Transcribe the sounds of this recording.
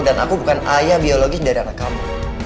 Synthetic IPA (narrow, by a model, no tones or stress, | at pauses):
dana̰kubukanajabioloɡidaɾianakamu